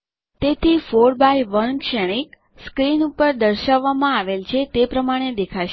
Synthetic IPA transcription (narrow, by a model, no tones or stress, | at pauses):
t̪et̪ʰifoɾbajʋənkʃɛɽ̃ik | skɾinupəɾd̪əɾʃaʋːamãaʋelt͡ʃʰet̪epɾəmaɽ̃ed̪ekʰaʃe